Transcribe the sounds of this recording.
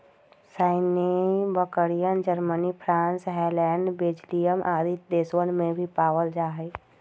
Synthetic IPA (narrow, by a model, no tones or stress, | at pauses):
saːɪnebəkəɾijənd͡ʒəɾmənipʰɾãːnsɦɛːlɛːɳɖbeːd͡ʒlijəmʔaːd̪it̪̚d̪eːsʋənmẽbʱipaːʋəld͡ʒaːɦeː